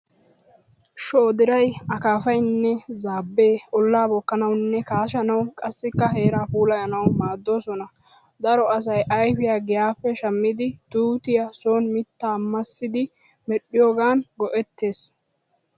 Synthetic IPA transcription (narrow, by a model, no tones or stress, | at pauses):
ʃoːd̪ɪɾɐjɐkaːfɐjnːɛzaːbːe̞ːɔlːaːbɔkːɐnɐwnːɛkaːʃɐnɐwkʼɐsːɪkːɐɦe̞ːɾaːpuːlɐjɐnɐwmaːd̪ːo̞ːsɔnɐ | d̪ɐɾɔɐs̬ɐjʔɐjfɪjaːɡɪjaːpːɛʃɐmːɪd̪ɪt̪uːt̪ɪjɐsoːnmɪt̪ːaːmːɐsːɪd̪ɪ | mɛɗːɪjoːɡaːnɡɔʔɛt̪ːe̞ːs